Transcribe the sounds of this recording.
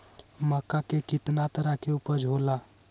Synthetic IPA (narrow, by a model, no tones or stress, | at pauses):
məkakekit̪nat̪əɾakeupəɾd͡ʒʱola